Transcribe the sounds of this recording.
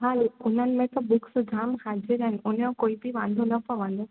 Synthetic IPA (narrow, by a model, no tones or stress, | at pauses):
ɦaːloʊn̤ənɪ̆mẽt̪ɔbʊksd͡ʒʱaːmhaːd͡ʒɪɾəɦɪnʊn̤jõkoːibiʋãːnd̪ʱonɐpɐʋə̃nd̪o